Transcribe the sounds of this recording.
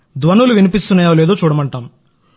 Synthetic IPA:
d̪ʋɐnuluʋinipist̪unɐːjaːleːd̪o̞ːt͡ʃuːɽɐmɐɳʈaːm

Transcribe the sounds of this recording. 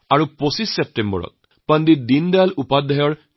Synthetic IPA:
aɹuposisːep̚ʈembɔ̰ɾɔ̰t̪̚ | pənd̪id̪ind̪alupad̪ʱːɔjɔɹ

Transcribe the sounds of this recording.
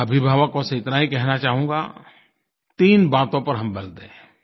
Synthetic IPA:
ɐbʱɪbʱaːʋəkõseɪt̪naɦikɛɦnat͡ʃaːɦũːɡa̰ː | t̪iːnbaːt̪õpɐɾɦɐmbɐld̪ẽ

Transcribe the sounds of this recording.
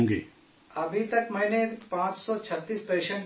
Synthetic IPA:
ɡḛː | ɐbʱit̪ɐkmɛ̃ːnepãːt͡ʃsɔt͡ʃʰɐt̪ːiːspəɾɪʃə̃ɳʈ

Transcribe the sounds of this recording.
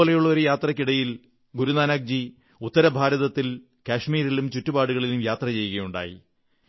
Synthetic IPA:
lejuɭːɐo̞ɾujaːt̪rɐkʲːiɽɐjil | ɡuɾunaːnaːk̚d͡ʑi | ut̪ːɐɾɐbʱaːɾɐðɐt̪ːil | kaːʂmiːɾilumt͡ɕutːubaːɽuɣɐɭilumjaːt̪rɐt͡ɕe̞jːuɣɐjuɳɖa̰ːjḭ

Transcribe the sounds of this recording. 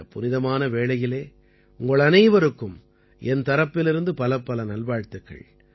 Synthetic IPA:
pʊnɪðɐmaːnɐʋeːɭɐjɪleː | ʊŋɡɐɭɐnɐɪʋɐɾɯkːɯm | ɛnt̪ɐɾɐpːɪlɪɾɯnd̪ɯpɐlɐpːɐlɐnɐlʋaːɻt̪ɯkːɐ̰ɭ

